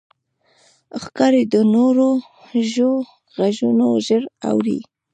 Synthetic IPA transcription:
xkɑɾed̪ənoɾo | ʒo | ɣaʒunoʒəɾa̰wɾḭ

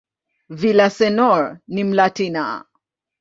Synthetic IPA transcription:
vilasɛnɔɹnim̩latina̰

